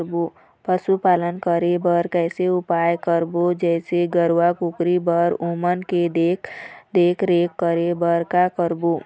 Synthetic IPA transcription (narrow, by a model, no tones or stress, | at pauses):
ɾbo | pəsupalənkəɾebəɾkɛɪseupajkəɾbod͡ʒɛɪseɡəɾwakukɾibəɾumənked̪ekd̪ekʰɾekːəɾebəɾkakəɾbo